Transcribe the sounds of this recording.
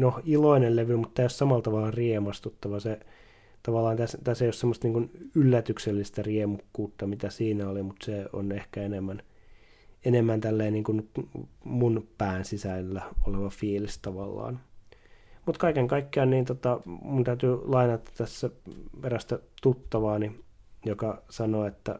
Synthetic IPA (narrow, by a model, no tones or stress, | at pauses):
nohiloinelleʋymut̪t̪ːæːijossɑmɑlt̪ɑʋɑlɑriemɑst̪ut̪ːɑʋɑse | t̪ɑʋɑlːˑɑːnt̪æst̪æseijossemːost̪niːŋkunylːæt̪ykselːist̪æriemukːuːt̪ːɑmit̪æsiːnæolimut̪seo̰nehkæenemːæn | enemːænt̪ælːeːniːŋkun | munpæːnsisæinːæoleʋɑfiːlist̪ɑʋɑlːɑ̰ːn | mut̪kɑikeŋkɑikːeɑnniːnt̪ot̪ɑmunt̪æyt̪yːlɑinɑt̪ːɑ̥t̪æsːæpeɾæst̪æt̪ut̪ːɑʋɑːnijokɑsɑnoːet̪ːæ̰